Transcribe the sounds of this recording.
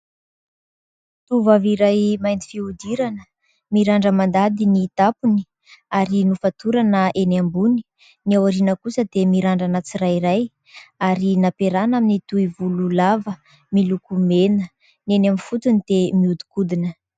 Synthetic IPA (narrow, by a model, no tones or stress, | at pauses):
t̪uvaviɾajmajnd̪i̥fiud̪iɾanə | miɾaɳɖ͡ʐəmand̪ad̪init̪apuni̥ | aɾinufat̪uɾanəʔenambuni̥ | niawaɾinəkusəd̪̥emiɾaɳɖ͡ʐanət͡sirajiɾaj | aɾinapeɾanaminit̪uivululavə | milukumenə | nenamifut̪unid̪̥emiud̪u̥kud̪inə